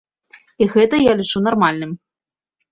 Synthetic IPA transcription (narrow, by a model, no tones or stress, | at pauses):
iɣɛt̪ɐjalʲit͡ʂunarmalʲnɨm